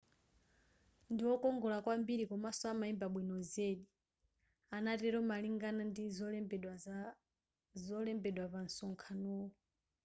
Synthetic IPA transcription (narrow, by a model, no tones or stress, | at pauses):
ndiwɔkɔŋɡɔlakwambiɾikɔmasɔamaimbaɓwinɔzɛɗi | anatɛɾɔmaliŋɡanandizɔ | zɔlɛmbɛɗwapan̩sɔŋkʰanɔɔ